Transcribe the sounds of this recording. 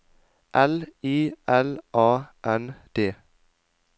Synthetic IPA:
ʔɛliːʔɛlʔɑːʔɛnd̪̥eː

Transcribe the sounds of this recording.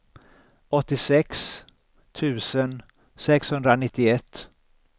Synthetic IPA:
ɔt̪ːɪsɛks | t̪ʰʉ̟ːsən | sɛkshɵnd̪ɾanɪt̪ːɪɛt̪ː

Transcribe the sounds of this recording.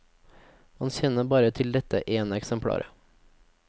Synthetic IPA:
hɑnçɛnəbɑːɾət̪ʰɪld̪ɛt̪ə̰ʔeːnɛksəmpʰɽɑ̰ːɾʔə̰

